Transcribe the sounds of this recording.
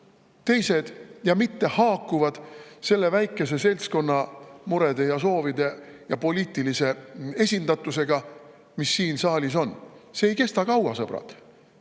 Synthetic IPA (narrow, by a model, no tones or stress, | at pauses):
t̪e̞jse̞d̪̥jɑmit̪ːe̞hɑːkːˑuvɑd̪̥se̞lːe̞væjkˑːe̞se̞se̞lsko̞nːɑmuɾe̞d̪̥e̞jɑso̞ːvid̪e̞jɑpo̞lʲiːt̪ˑilise̞e̞sʲind̪̥ɑt̪ːˑuse̞ɡ̥ɑ | misːiːnsɑːlʲiso̞nseːjke̞st̪ɑkɑwɑsɤb̥ɾɑ̰d̪̥